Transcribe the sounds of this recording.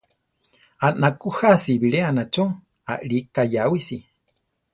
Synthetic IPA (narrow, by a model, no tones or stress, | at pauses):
anakuhasiβiɺeanat͡ʃo | a̰ʔɺikajawisi